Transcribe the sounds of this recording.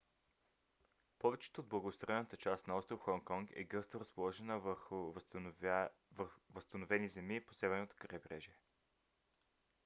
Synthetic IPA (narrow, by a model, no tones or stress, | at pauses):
pɔvɛt͡ʃɛ̥t̪oːd̪̚blˠɐɡost̪ɾɔɛnət̪ət͡ʃast̪nɐɔst̪ɾoxɔŋkɔŋkɛ̰ɡɤsoɾɐspolˠɔʒɛnəv | vəst̪ənovɛnizɛmiposɛvɛɾnot̪o̥kɾɛbɾɛʒiɛ